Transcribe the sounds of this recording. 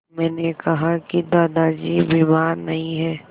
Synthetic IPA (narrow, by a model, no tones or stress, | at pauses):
mɛ̃ːnekɐɦakid̪aːd̪ad͡ʒiːʋɪmaːɾnɐɦĩɦɛː